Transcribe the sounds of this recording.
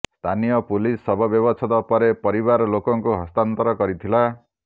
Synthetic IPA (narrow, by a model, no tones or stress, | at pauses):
st̪ʰanijɔpulisːɔbʱɔbjɔbɔsʰɔt̪ɔpɔɾepɔɾiβaɾɔlokɔŋkuɦɔst̪ant̪ɔɾɔkɔɾit̪ʰila